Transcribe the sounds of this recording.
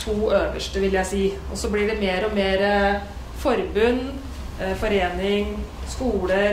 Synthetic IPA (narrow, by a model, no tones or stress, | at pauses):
t̪ʰuːøːʋəʂʈəʋɪljæɪsiːʔɔsɔblɪɖɛmeːɾɔmeːɾə | fɔɾbʉnː | fɔɾeːnɪŋskuːlə